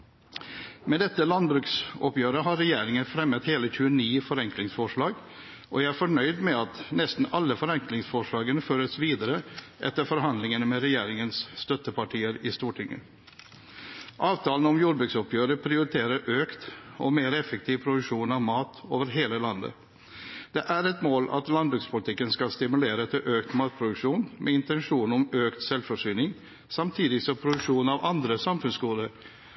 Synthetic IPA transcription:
mɛd̪ɛt̪ːəlɑnbɾʉːksɔpjøːɾəɦɑɾːɛjeːɾɪŋənfɾɛmːət̪heːləçʉəniːfɔɾɛŋklɪŋsfɔʂɭɑːɡ | ʔɔ̰jæɪæɾfɔɳœʏd̪mɛɑt̪nɛst̪n̩ɑlːəfɔɾɛŋklɪŋsfɔʂɭɑːɡənəføːɾəsʋiːd̪əɾə | ʔɛ̰t̪ːəɾfɔɾɦɑnd̪lɪŋənmɛɾɛjeːɾɪŋənsst̪œt̪əpɑʈʰiːəɾɪst̪uːʈʰɪŋːə̰ | ʔɑːʋt̪ʰɑːln̩ɔmjuːɖbɾʉːksɔpːjøːɾəpʰɾɪʊɾɪt̪ʰeːɾəɾʔøːkt̪ɔmeːɾɛfək̚t̪ʰiːʋpʰɾʊd̪ʉkʂuːnɑʋmɑːt̪o̰ːʋəɾɦeːləlɑnd̪ə̰ | d̪̥ɛʔæɾɛt̪moːlɑ̰t̪lɑnd̪bɾʉːkspʰʊlɪt̪ɪkːənskɑlst̪ɪmʉleːɾəɛt̪ʰəʔøːkt̪mɑːt̪̚pʰɾʊd̪ʉkʂuːnmʔɛɪnt̪ɛnʂuːnɔmøːkt̪sɛlfɔʂyːnɪŋ | sɑmt̪ʰiːd̪ɪɡsɔmpʰɾʊd̪ʉkʂuːnɑʋɑnd̪ɾəsɑmfʉnsɡuːd̪əɾ

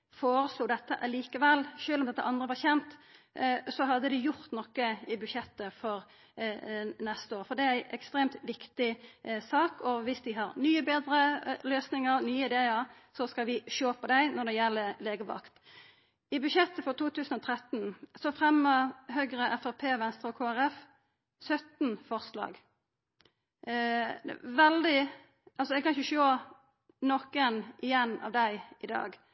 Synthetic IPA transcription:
foːɾəsluːd̪ɛt̪ːəʔɑliːkəʋɛlːʃøːlɔmd̪ɛt̪ːəʔɑnd̪ʁəʋɑʁçɛnt̪ | sɔɦɑd̪ːəd̪ɪjʊɾt̪nɔkːəɪbʉʃɛt̪ːəfɔɾ | nɛst̪əoːɾfɔd̪ɛææɪʔɛ̰kst̪ɾeːmt̪ʋɪkt̪ɪsɑːkɔʋɪsd̪ɪɦɑɾnyːəbeːd̪ɾəløːsnɪŋəɾnyːəɪd̪eːəɾ | sɔskɑʋɪʃoːpɔd̪æɪnɔʁd̪ɛjɛlːəleːɡəʋɑ̰kt̪ | ɪbʉʃɛt̪ːəfɔʁt̪ʰuːt̪ʰʉːsn̩ɔt̪ʰɾɛt̪ːn̩sɔfɾɛmːəhøɡɾəʔɛfæpʰeːʋɛnst̪ɾəɔkʰoːæɾɛf | sœt̪n̩fɔʁslɑ̰ːɡ | ʋɛld̪ɪ | ɑlsɔd̪ɛkɑnɪçəʃoː | nɔkːənʔɪjɛnːɑ̰ʋd̪æɪɪd̪ɑ̰ːɡ

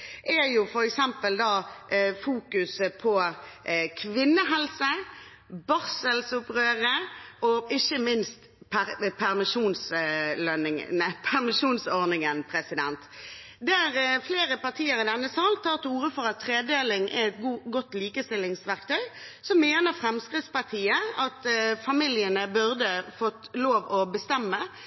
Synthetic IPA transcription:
ʔæjʊfɔɾɛksɛmpəld̪ɑːfuːkʉsəpʰɔ | kʰʋɪnːəɦɛlsə | bɑʁsəlsʊpʁøːɾəʔɔɪçːəmɪnst̪ | pʰæpʰæʁmɪʃuːnslœnɪŋ̰əpʰæʁmɪʃuːnsɔʁnɪŋənpʰɾɛsɪd̪ɛnt̪ | d̪ɛæʁfleːʁəpɑʁt̪ʰiːəɾɪd̪ɛnːəsɑlt̪ʰɑːʁt̪uːɾəfɔʁɑt̪ʰːʁeːd̪eːlɪŋʔæ̰ɛt̪ɡuːɡɔt̪ːliːkəst̪ɪlːɪŋsʋæʁk̚t̪ʰœʏsɔmːeːnəʁfɾɛmskʁɪt̪spɑʁt̪ʰiːəɑt̪fɑmɪljənəbʉʁd̪əfɔt̪ːloːʋɔbəst̪ɛmːə

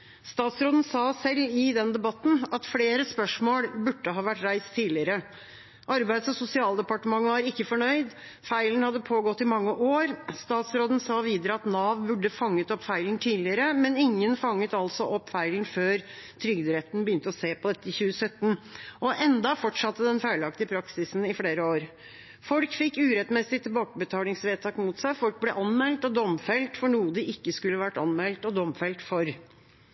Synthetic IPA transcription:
st̪ɑːt̪sɾoːd̪ən̩sɑːsɛlːɪd̪ɛnd̪ɛbɑt̪ːn̩ɑt̪fleːɾəspœʂmoːlbʉʈːəɦɑːʋæʈːɾæɪst̪ʰːiːlɪəɾə | ʔɑɾbæɪd̪sɔsʊsɪɑːlˠd̪ɛpɑʈəmɑŋːəʋɑɾɪkːəfɔɳœʏd̪ | fæɪlən̩hɑd̪ːəpʰoːɡɔt̪ːɪmɑŋːəʔoːɾst̪ɑːt̪sɾoːd̪ən̩sɑːʋiːd̪əɾəɑt̪nɑːʋbʉɖəfɑŋːət̪ɔpːfæɪlənt̪ʰiːlɪəɾəmɛnɪŋːənfɑŋːət̪ɑlsɔʔɔpːfæɪlənføːɾt̪ʰɾʏɡd̪ɾɛt̪n̩bəjʏnt̪əɔseːpɔd̪ɛt̪ːəɪçʉːəsœt̪ːnʔɔʔɛnd̪ɑfɔʈʂɑt̪ːəd̪ɛnfæɪlɑkt̪əpʰɾɑksɪsn̩ɪfɽeːɾəoːɾ | fɔlkfɪkːʉːɾɛt̪mɛːsɪt̪ʰɪlbɔːkəbət̪ʰɑːlɪŋsʋeːt̪ʰɑːkmuːt̪sæɪfɔlk̚blɛʔɑnmɛlt̪ɔd̪ɔmfɛlt̪fɔɳuːəd̪ɪʔɪkːəskʉlːəʋæʈːɑnmɛlt̪ɔd̪ɔmfɛlt̪fɔɾ

